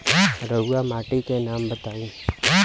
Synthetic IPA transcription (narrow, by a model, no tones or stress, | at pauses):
ɾəuamaːʈikenaːmbət̪aːĩː